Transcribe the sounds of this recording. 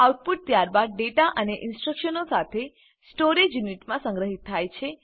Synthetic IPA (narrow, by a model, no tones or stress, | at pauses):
awʈ̚puʈ̚t̪jaɾbad̪̚ɖeʈaʔəneʔɪnsʈɾəkʃənosat̪ʰe | sʈoɾed͡ʒjuniʈmãsə̃ŋɡɾəɦit̪ʰːajt͡ʃʰe